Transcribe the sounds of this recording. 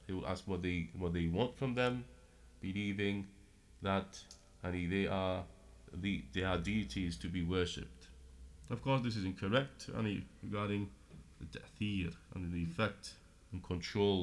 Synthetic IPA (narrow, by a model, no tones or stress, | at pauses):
hiwla̰skwʌt̪̚ðeɪwʌt̪̚ðeɪwɑ̃ntfɹʌ̃mðə̃m | b̥ɨlivɪ̃ŋ | ðət | aɪniðeɪʔə | ðiðeədʉɨtʰiz̥tʰɨbiwɜˑ˞ʃɪ̰p̚təv̥kʰɔˑsðɪs̬ɪzɪ̃nkʰə˞ɛk̚tã̰niɹɪɡɑːɾɪ̃ŋ | ðɨtʰɛθiɾə̰̃nðiɨfɛk̚t | ə̃nkʰə̃ntʰɹ̥oʊl